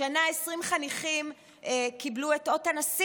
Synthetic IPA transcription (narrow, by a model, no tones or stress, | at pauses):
anaesʁimχaniχim | ekiblue̞to̞tanas